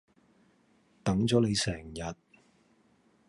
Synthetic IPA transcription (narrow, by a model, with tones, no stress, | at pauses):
t̪ɐ˨˥ŋt͡sɔː˨˥ne˨˧jsɛː˨˩ŋjɐ˨t̚